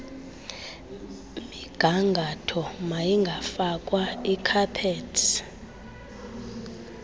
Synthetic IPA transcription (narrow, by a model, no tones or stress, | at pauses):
miɡ̥ʱaŋɡʱatʰɔmajiŋɡʱafak̬ʼwaikʰapʰɛːtʰ